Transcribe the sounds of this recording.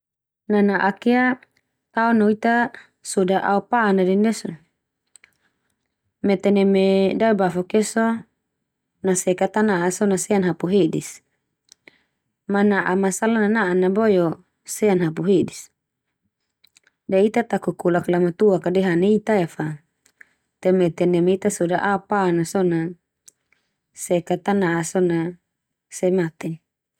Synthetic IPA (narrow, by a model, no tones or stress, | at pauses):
nanaʔakea | t̪aɔnoit̪a | sudaʔa̰upanadɛnɛso | mɛt̪ɛnɛmedaibafɔkɛso | nasɛkat̪anaʔːsonasɛanɦapuɦedis | manaʔamasalananaʔanabɔjɔ | sɛanɦap̬uɦedis | dait̪at̪akukulaklamat̪uakadɛɦanait̪aɛfa | t̪ɛmɛt̪ɛnɛmeit̪asudaʔapaːnasɔna | sɛkat̪anaʔasɔna | sɛmat̪ɛn